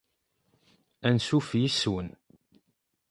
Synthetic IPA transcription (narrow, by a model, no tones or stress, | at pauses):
ænsufjiswən